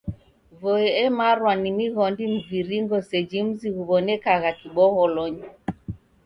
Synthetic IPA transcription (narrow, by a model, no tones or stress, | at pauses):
vɔɛɛmaɾwanimiɣɔndim̩viɾiŋɡɔsɛd͡ʒim̩ziɣuβɔnɛkaɣakiɓɔɣɔlɔɲi